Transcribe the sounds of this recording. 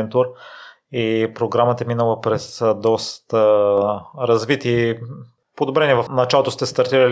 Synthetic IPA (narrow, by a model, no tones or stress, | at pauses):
ɛnt̪uɾ | ipɾoɡɾamət̪əɛminəlˠəpɾɛsd̪ɔst̪ə | ɾɐzvit̪i | pod̪obɾɛniɛvɐfnɐt͡ʃalˠot̪ost̪ɛst̪ɐɾt̪iɾəl